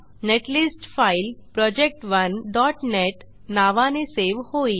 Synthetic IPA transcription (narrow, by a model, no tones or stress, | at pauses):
neʈlisʈfailpɾɔd͡ʒek̚ʈʋənɖɔʈneʈ | naʋaneseʋhoi